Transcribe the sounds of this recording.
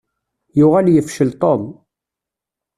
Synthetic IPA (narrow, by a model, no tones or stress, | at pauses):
jʊʁæljəfʃəlt̪ˤon